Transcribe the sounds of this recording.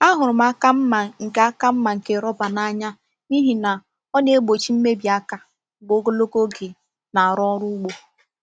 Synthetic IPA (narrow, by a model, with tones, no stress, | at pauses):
a˦ɦʊ˨ɾʊ˨ma˦ka˦m̩˦ma˨ŋ̩˨ka˦ka˦m̩˦ma˨ŋ̩˨ke˨ɾɔ˦ba˨na˦ɲa˦ | ni˦ɦi˨na˨ | ɔ˦ne˦ɡ͡bo˨t͡ʃi˦m̩˦me˦bi˨a˦ka˦˨ | ɡ͡bo˨˦ɡo˦lo˦ko˦ɡe˨ | na˨a˨ɾɔ˦ɔ˦ɾʊ˦ɡ͡bo˦